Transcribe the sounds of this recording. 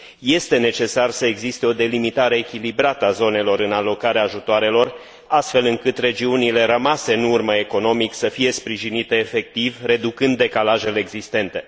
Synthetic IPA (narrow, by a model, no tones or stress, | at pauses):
je̞st̪e̞ne̞t͡ʃe̞sarsəe̞ɡzist̪e̞o̞d̪e̞limit̪aɾe̞ːkʲilibɾat̪əazo̞ne̞lo̞ɾɨnalo̞kaɾeaːʒut̪oaɾe̞lo̞r | ast̪fe̞lɨŋkɨt̪re̞d͡ʒiunile̞ɾəmase̞ɨnurməe̞ko̞no̞miksəfije̞spɾiʒinit̪e̞ːfe̞k̚t̪ivre̞d̪ukɨnd̪ːe̞kalaʒe̞leːɡzist̪e̞nt̪e̞